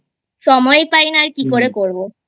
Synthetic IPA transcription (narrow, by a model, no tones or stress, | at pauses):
ʃɔmɔjpajnaɾkikoɾekoɾbo